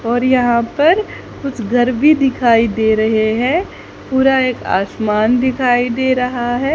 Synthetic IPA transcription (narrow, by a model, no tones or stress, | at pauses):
ɔːɾjɐɦãpɐɾ | kʊt͡ʃʰɡʱɐɾbʱid̪ɪkʰaːid̪eːɾɐɦeɦɛ̃ | puːɾaeːka̰ːsmaːnd̪ɪkʰaːid̪eːɾɐɦaɦɛː